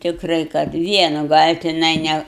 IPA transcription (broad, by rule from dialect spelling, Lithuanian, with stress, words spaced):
tʲɪkˈrɐɪ kɐt ˈʋʲiɛnʊ ɡɐlʲ tʲɪˈnɐɪ ˈnʲɛ